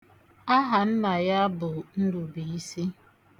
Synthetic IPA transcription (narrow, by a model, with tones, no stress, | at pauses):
a˦ɦa˨m̩˦ma˨ja˦bʊ˨n̩˦du˨bi˨i˦si˦